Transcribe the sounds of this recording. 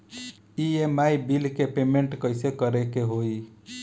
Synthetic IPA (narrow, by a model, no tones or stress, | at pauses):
iemaibilkepemeɳʈkəjsekəɾekeɦoi